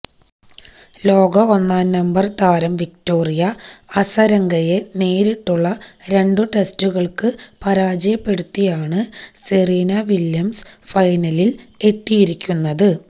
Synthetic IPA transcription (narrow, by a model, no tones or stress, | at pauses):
lo̞ːɡɐonːaːnnɐmbɐrt̪aːɾɐmʋikto̞ːrijɐɐsɐɾɐŋɡɐje̞ne̞ːɾiʈːuɭːɐɾe̞ɳɖɨʈe̞stuɣɐɭkɨpɐɾaːd͡ʑɐjɐpːe̞ɽut̪ːijaːɳɨseriːnɐʋiljɐmsfɐjnɐlile̞t̪ːijiɾikʲːunːɐðɨ